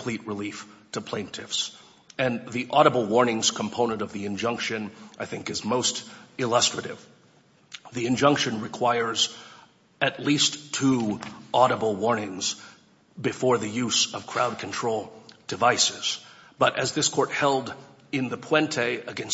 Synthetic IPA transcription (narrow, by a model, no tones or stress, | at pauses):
pʰl̥it̚ɹɨliftʰəpʰl̥ẽɪ̃ntʰɪfs | ɨ̃nðiʔɔɾəbl̩ˠwɔɹnɪ̃ŋz̥kʰm̩pʰõʊ̃ñə̃ñtʌvðiɨ̃nd͡ʒʌ̃ŋkʃɨ̃naɪθɪ̃ŋkɨzmoʊstɨlʌstɹ̥ɨɾɪ̰v̥ | ðiɨ̃nd͡ʒʌ̃ŋkʃɨ̃nɹɨkʰw̥aɪə˞z | ɨtˡlistʰuʔɑɾəbl̩ˠwɔɹnɪ̃ŋz | bɨfɔɹðɨjʉzʌv̥kʰɹ̥aʊd̚kʰn̩tʰɹ̥oʊlˠd̥ɨvaɪsɪz̥ | b̥ʌɾʔɨzðɪskʰɔɹt̚hɛlˠd | ɪ̃nðɨpʰw̥ɛ̃ntʰeɪɨɡɛ̃ns